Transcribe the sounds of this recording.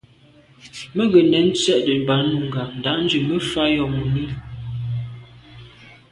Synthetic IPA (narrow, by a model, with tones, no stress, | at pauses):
mə˦ɡə˨nɛ˨˦n̩˦t͡sɥɛ˦ʔdə˨ba˨˦nu˦˨ŋ˨ɡa˨n̩˨da˨˦ʔn̩˦d͡ʒʉ˨mə˦fa˦jɔ˨mu˨mi˦